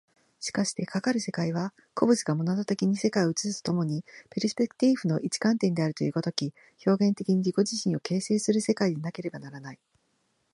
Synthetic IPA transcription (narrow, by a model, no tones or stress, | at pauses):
ɕi̥kaɕi̥t̪ekakaɾɯ̟se̞kaiβ̞a | kʰo̞bɯ̟t͡siɡamo̞nat̪ot̪e̞kʲiɲ̟ise̞kaioɯt͡sɨsɨ̥t̪o̥t̪o̞mo̞ɲ̟ipeɾʲispekɯ̥t̪iɸɯ̟no̞ʔit͡ɕi̥kãnt̪ẽ̞nd̪e̞aɾɯ̟t̪o̞jɯ̟ɡot̪o̞kʲi | ço̞ːɡẽ̞nt̪e̞kʲiɲ̟iɾʲiɡo̞ʑiɕĩɰ̃o̞ke̞ːseːsɨɾɯse̞kaid̪enake̞ɾe̞banaɾanai